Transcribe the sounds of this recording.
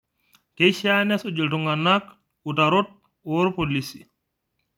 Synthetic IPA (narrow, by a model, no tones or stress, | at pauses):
keʃanɛsod͡ʒultuŋɡanːak | utaɾot̚ | ɔɾpolisi